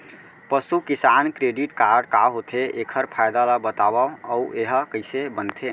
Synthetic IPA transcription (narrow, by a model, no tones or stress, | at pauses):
pəsukisankɾeɖiʈkaɾɖkaɦot̪ʰeʔekʰəɾpʰajd̪alabət̪abaəueɦəkəjsebənt̪ʰe